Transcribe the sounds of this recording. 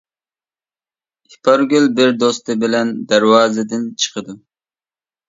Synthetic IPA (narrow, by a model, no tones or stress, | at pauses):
ipʰɑɾɡʲylbɪɾd̪ost̪ɨbɪlɛnd̪æɾwɑːzɨd̪ɪnt͡ʃʰə̥qʰəd̪u